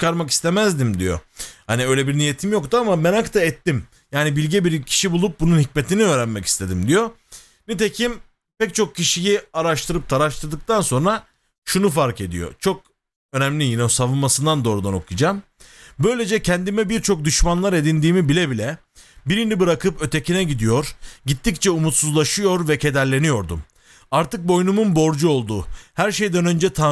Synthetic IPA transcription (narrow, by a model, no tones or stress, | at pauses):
t͡ʃʰi̥kaɾmaki̥st̪ʰe̞mæzd̪imd̪ijo̰haniø̞jlʲɛbiɾnije̞t̪ʰimjo̞kt̪uamamɛnakt̪ʰaɛt̪ːim | jaːnibilʲɟɛbiɾcʰi̥ʃibulˠup̚bununhic̚met̪ʰiniø̞ːɾænmɛci̥st̪ʰe̞d̪imd̪ijo | nit̪̬e̞cʰim | pɛc̚t͡ʃʰo̞k̚cʰiʃijiaɾaʃt̪ʰɯɾɯp̚t̪ʰaɾaʃt̪ʰɯɾd̪ɯk̚t̪ʰanso̞nɾa | ʃunufaɾke̞d̪ḭjo̰t͡ʃʰo̞k̚ | ø̞næmlʲijinɛsavɯnmasɯnd̪and̪o̞ːɾud̪ano̞̰kʰud͡ʒaːm | bø̞jlʲe̞d͡ʒɛcʰɛnd̪imɛbiɾt͡ʃʰo̞k̚d̪yʃmanlˠaɾe̞d̪ind̪iːmibilʲɛbilʲɛ | biɾinibɯɾakɯpø̞t̪ʰe̞cʰinɛɟid̪ijo̞ɾɟit̪ʰːict͡ʃʰɛumut̪suzlˠaʃɯjo̞ɾvɛcʰe̞d̪æɾlʲe̞nijo̞ɾd̪ṵm | aɾt̪ɯk̚bo̞jnumunbo̞ɾd͡ʒuo̞lˠd̪ṵːhæɾʃe̞jd̪ænø̞nd͡ʒɛt̪ʰa